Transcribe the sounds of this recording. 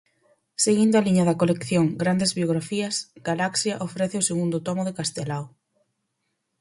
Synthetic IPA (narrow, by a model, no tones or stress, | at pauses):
seɣind̪oaliɲɐðɐkolekθjoŋɡɾand̪ezβjoɣ̞ɾafiɐsɡalaksjɐʔofɾɛθɪoseɣund̪ʊt̪ɔmʊðekast̪elaw